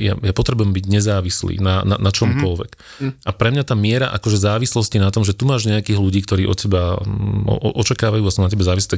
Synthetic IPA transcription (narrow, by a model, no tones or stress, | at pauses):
ja̰japɔt̪ɾɛbujɛmbiɟɲɛzaːʋislḭːnana̰nat͡ʃɔmkɔlʋɛ̰k | apɾɛmɲat̪aːmɪɛɾa̰ʔa̰kɔʒɛzaːʋislɔscinat̪ɔmʒɛt̪umaːʒɲɛjakiːɦluɟiːkt̪ɔɾiːʔɔ̰t̪cɛbaɔ̰ɔʔɔt͡ʃakaːʋajuːasunacɛbɛzaːʋis̬liːt̪a